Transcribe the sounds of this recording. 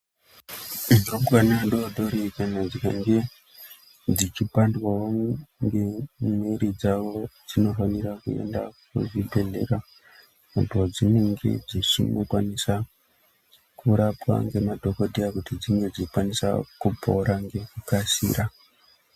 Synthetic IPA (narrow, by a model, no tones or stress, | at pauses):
miromɡanaɗodʱo̞ɾikanad͡zikaŋɡe̞ | d͡zit͡ʃipandwaoŋɡe̞meɾid͡zaʋo̞d͡zino̞fanirakue̞̰nda̰kṵʐibʱe̞ɮe̞̰ra | mutod͡zine̞ŋɡe̞̰d͡zit͡ʃḭmokwanisa | kuɾapwa̰ŋɡe̞madʱo̞koɗʱijakutid͡ziŋɡe̞d͡zit͡ʃikwanisa̰kupʰo̰ɾaŋɡe̞kukasḭːɾa